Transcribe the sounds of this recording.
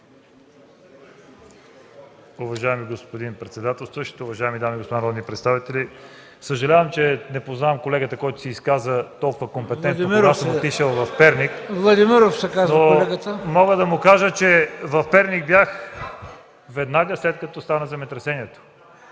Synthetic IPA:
ʊvɐʒaɛmiɡospod̪inpɾɛt̪sɛd̪at̪ɛlˠst̪vəʃt̪ot̪oːvɐʒaɛmid̪amiɡospod̪anɾɔd̪nipɾɛt̪st̪avit̪ɛli | səʒɐlʲavɐmt͡ʃɛnɛpoznaɛmkolɛɡət̪əkɔjt̪ʊ̥siːskazət̪ɔlˠkʊvəkompɛtt̪ɛntd̪oɾɡasomot̪iʃɛlˠvɐfpɛɾnikvlˠɐd̪imiɾofsɛkaznoɛɡət̪əmɔɡəd̪ɐmʊkaʒət͡ʃɛvɐfpɛɾnʲik̚bjax | vɛd̪naɡəslɛt̪̚kɐt̪ɔst̪anəzɛmɛt̪ɾɛsɛniɛt̪o̥

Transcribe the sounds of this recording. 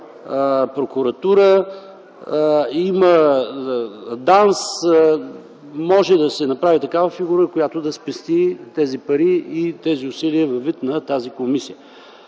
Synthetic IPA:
pɾokʊɾɐt̪uɾə | imə | d̪ans | mɔʒɛd̪ɐsɛnɐpɾavit̪ɐkavəfiɡuɾəkojat̪od̪ɐspɛst̪it̪ɛzipɐɾiit̪ɛziʊsiliəvɐvːit̪nɐt̪azikomisijə

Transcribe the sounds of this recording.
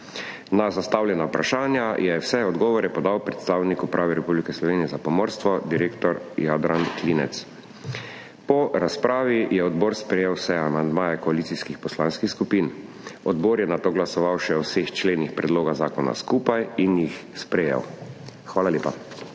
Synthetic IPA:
nazast̪awlʲjɛnaupɾaʃaːnjajɛwsɛɔd̪ɡɔːʋɔɾɛpɔd̪awpɾɛt̪st̪aːwnikupɾʔaːʋɛɾɛpublikɛslɔʋeːnijɛzapɔmɔɾst̪ʋɔd̪iɾeːkt̪ɔɾjad̪ɾʔankliːnɛ̰t̪s | pɔɾaspɾʔaːʋijɛɔd̪boːɾspɾɛjeːwsɛamand̪maːjɛkɔaliːsiskixpɔslãːnskixskupin | ɔd̪boːɾjɛnat̪oːɡlasɔʋawʃɛɔwsext͡ʃleːnixpɾɛd̪loːɡazaːkɔna̰skuːpajinjixspɾɛjɛ̰wxʋaːlalʲeːpa

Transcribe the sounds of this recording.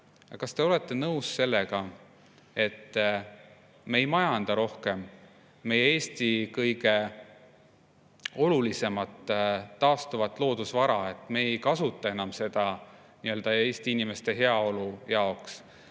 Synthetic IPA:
jɑkɑst̪e̞o̞le̞t̪ːe̞nɤusse̞lːe̞ɡ̥ɑ | e̞t̪ː | me̞jmɑjɑnd̪̥ɑɾo̞hke̞mː | e̞jee̞ːst̪ikɤjɡ̥e̞ | o̞lulise̞mɑt̪ːɑːst̪uvɑt̪ːˑlo̞ːd̪̥usvɑɾɑe̞t̪ːˑme̞ːjkɑsut̪ːˑɑe̞nɑmse̞d̪̥ɑ | niø̞ːld̪̥ɑe̞ːst̪iinime̞st̪e̞ɦe̞ɑo̞lujɑo̞ks

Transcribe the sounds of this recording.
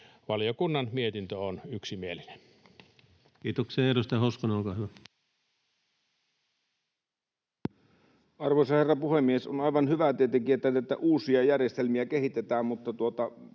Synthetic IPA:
ʋɑljokunːɑnmiet̪int̪øonyksimieline̥n | kiːt̪okseɑeɾust̪ɑjɑhoˑuskoneolkɑːhyʋæ | ɑrʋoisɑherːɑpuhemːiesonɑˑiʋɑnhyʋæt̪et̪ekiæt̪ːˑælet̪ːæʔuːsiɑjærjest̪elmiækehit̪et̪æːmmut̪ːɑt̪uot̪ɑ

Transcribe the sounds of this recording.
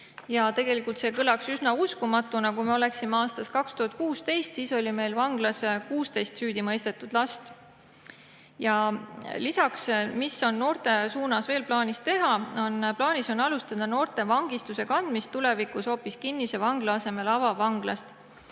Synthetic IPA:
jɑt̪e̞ɡ̥e̞likːˑult̪seːkɤlɑksysnɑuskumɑt̪ːˑunɑkumeo̞le̞ksimeɑːst̪ɑskɑkst̪uhɑt̪̚kuːst̪e̞jst̪siːso̞lʲime̞jlvɑŋɡ̥lɑskuːst̪e̞jst̪syːd̪̥imɤjst̪e̞t̪ːˑud̪̥lɑst̪ | jɑlisɑksmiso̞nːo̞ːrt̪e̞suːnɑsve̞ːlplɑːnʲist̪e̞ɦɑo̞nplɑːnʲiso̞nːɑlust̪ɑd̪̥ɑno̞ːrt̪e̞vɑŋɡ̥ist̪use̞kɑnd̪̥mist̪ːule̞vikusho̞ːpːiskinːise̞vɑŋɡ̥lɑɑse̞me̞lɑvɑvɑŋɡlɑst̪

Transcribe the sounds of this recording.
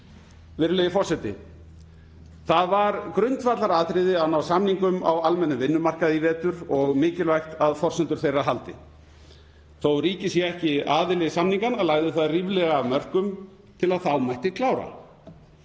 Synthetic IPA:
vɪɾlɛjɪfɔr̥sɛt̪ɪ̰ | θaðvaɾkɾʏnt̪fat̪laɾaːðt̪ɾɪðɪaðnawsamniŋkʏma̰walmɛnːʏmvɪnːʏmar̥kaðivɛːt̪ʏɾɔɣmɪːcɪlvajxt̪aðfɔrsɛnt̪ʏɾ̥θejraɦalt̪ɪ̰ | θowɾiːcɪsjɛɛhcɪaːðɪlɛɣsamniŋkanaðlaːɣðɪθaðriːvlɛɣamœr̥kʏm | t̪ʰɪlaðθawmajht̪ɪkʰlaːwɾa̰

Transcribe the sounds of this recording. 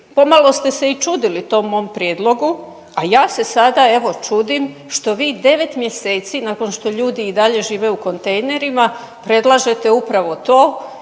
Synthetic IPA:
po̞malo̞st̪e̞se̞it͡ʃuːd̪ilit̪o̞ːmːo̞ːmpɾje̞ːd̪lˠo̞ɡu | ajaːse̞sad̪ae̞ʋo̞t͡ʃud̪im | ʃt̪o̞ʋiːd̪e̞ʋe̞t̪mje̞se̞ːt̪sinako̞nʃt̪o̞ʎuːd̪iːd̪aʎe̞ʒiːʋe̞uko̞nt̪e̞jne̞ɾima | pɾe̞d̪lˠaʒe̞t̪e̞upɾaʋo̞t̪o̞ː

